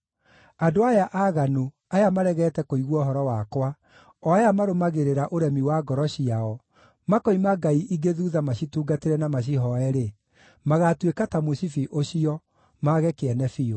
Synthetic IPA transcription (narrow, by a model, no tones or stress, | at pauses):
adoajaʔaɣanu | ajamaɾɛɣɛːtɛkoiɣwɔɦɔɾɔwakwa | ɔajamaɾomaɣeɾeɾaʔoɾɛmiwaɡɔɾɔɕiaɔ | makɔimaɡaiʔiɡeðuːðamaɕituːɡateɾɛnamaɕ̬iɦɔɛɾe | maɣatwekatamosifiʔoɕiɔ | maɣɛkeɛnɛfio